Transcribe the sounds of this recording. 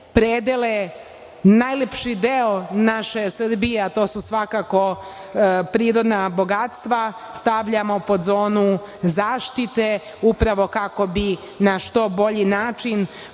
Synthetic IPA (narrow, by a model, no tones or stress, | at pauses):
pɾed̪ele | najlepʃid̪eonaʃe̞sr̩bijeat̪o̞ːsusʋakako̞ | pɾiːɾo̞d̪nabo̞ɡat̪st̪ʋa | st̪aʋʎamo̞po̞d̪zo̞ːnu | zaːʃt̪it̪e̞ | upɾaʋo̞kako̞bi | naʃt̪o̞bo̞ʎinaːt͡ʃin